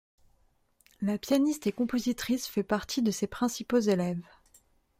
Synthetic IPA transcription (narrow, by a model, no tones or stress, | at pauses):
lapjanist̪ekɔ̃pozit̪χisfɛpaʁt̪ʰid̪əsepχɛ̃sipozelɛv